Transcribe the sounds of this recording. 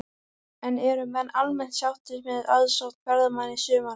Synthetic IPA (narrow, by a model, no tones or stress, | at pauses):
ɛnɛɾʏmɛnːalmɛn̥t̪sjawht̪ɪmɪðaðsɔwht̪fʰɛɾðʏmanːɪsʏːma